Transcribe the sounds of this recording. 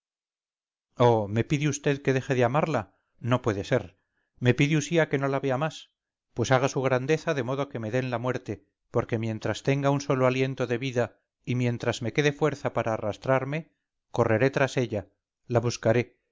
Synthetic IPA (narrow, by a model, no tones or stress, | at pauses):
ome̞piðiust̪e̞ðke̞ðe̞xe̞ðeamaɾla | no̞pwe̞ðe̞se̞ɾ | me̞piðiusiake̞no̞laβe̞amas | pwe̞saɣ̞asuɣ̞ɾand̪e̞θaðe̞mo̞ð̞oke̞me̞ðe̞nlamwe̞ɾt̪e̞ | po̞ɾke̞mjẽ̞nt̪ɾast̪e̞ŋɡaunso̞loalje̞nt̪o̞ðe̞βiða | imjẽ̞nt̪ɾazme̞ke̞ðe̞fwe̞ɾθapaɾaːrast̪ɾaɾme̞ | ko̞re̞ɾe̞t̪ɾase̞ʎa | laβuskaɾe̞